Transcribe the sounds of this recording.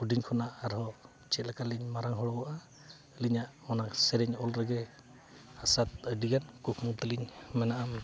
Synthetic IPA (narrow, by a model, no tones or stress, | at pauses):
udiɲkʰɔnaʔaɾhɔ | t͡ʃɛt̪̚lakaliɲmaɾaŋɦɔɽɔɡɔʔa | liɲaʔɔnasɛɾɛɲɔlɾaɡɛ | asat̪̚ədiɡankukʰmuŋt̪əliɲmɛnaʔam